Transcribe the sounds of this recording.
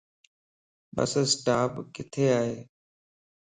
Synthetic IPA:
ɓə̰ssʈaːpkɪt̪ʰeːaːɦeː

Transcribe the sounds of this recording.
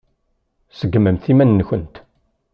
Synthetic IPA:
səɡːməmθimænːəçənt̪

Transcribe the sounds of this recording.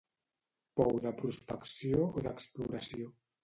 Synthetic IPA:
pɔwðapɾust̪aksjooðakspluɾasjo

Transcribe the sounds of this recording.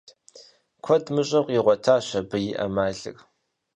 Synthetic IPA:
kʷʰɔdmɨɕʼɐqʷʼiʁʷɔtʰaːɕɐbɨjɪʔɐ̰maːɮɨ̰ɣʼ

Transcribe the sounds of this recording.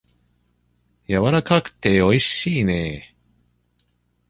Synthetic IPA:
jaβaɾakakɯ̟̥t̪e̞o̞iɕiːne

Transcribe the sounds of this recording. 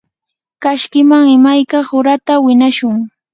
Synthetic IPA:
kaʃkɪmaŋɪmajkaχʊɾat̪awɪnaʃʊŋ

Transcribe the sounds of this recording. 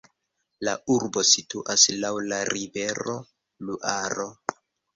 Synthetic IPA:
lauɾbo̞situʔaslawlaɾive̞ɾo̞ | luʔaɾo̞

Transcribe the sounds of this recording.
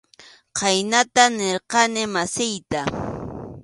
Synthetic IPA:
qɑjnat̪aneɾqɑnɪmasɪjt̪a

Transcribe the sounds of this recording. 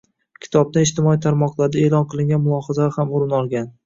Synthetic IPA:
kʲʰɪ̥t̪ʰɒb̚d̪aɪʃt̪ɪmɒit̪ʰaɾmɒqlˠaɾd̪aelˠɒnqʰɨlˠɪŋɡʲanmʊlˠɒhazahamʊɾɪnɒlˠɡʲan

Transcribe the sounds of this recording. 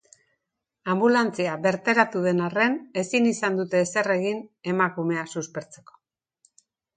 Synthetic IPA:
ambulant͡siaβe̞ɾt̪e̞ɾat̪uðe̞nare̞ne̞sinisand̪ut̪e̞ːsere̞ɣine̞makume̞asuspe̞ɾt͡se̞̥ko̞̥

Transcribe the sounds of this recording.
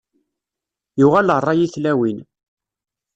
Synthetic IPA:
juʁælərˤːɑjiθlæwin

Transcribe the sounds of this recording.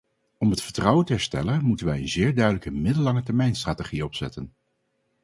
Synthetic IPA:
ɔmɦətfəɹtrɑwəntəɦɛɹstɛ̰lənmutənʋɛjənzɪːɹdœɥdələkəmɪdəlːɑŋətɛɹmɛjnstraːteχiɔpsɛ̰tən

